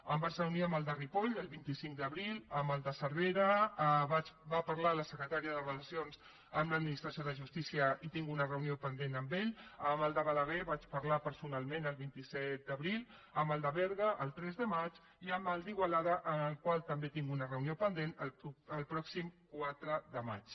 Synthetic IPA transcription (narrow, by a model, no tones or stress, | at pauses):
əmbaɾzəuniəməlˠd̪əripoʎəlˠβint̪isiŋkd̪əβɾiləməlˠd̪əsəɾβeɾəβat͡ʃbapəɾlaləsəkɾət̪aɾiəðərələsionz | əmləd̪̚minist̪ɾəsioðəʒust̪isiəit̪iŋɡunərəuniopənd̪enəmbeʎəməlˠd̪əβaləɣeβat͡ʃpəɾlapəɾsunalˠmẽnəlˠβint̪isɛt̪̚d̪əβɾilˠ | əmbəlˠd̪əβɛɾɣəʔəlˠt̪ɾɛzðəmat͡ʃ | iəmbəlˠd̪iɣwalaðəʔənəlˠkwalˠt̪əmbet̪iŋɡunərəuniopənd̪enələlpɾɔksimkwat̪ɾəd̪əma̰t͡ʃ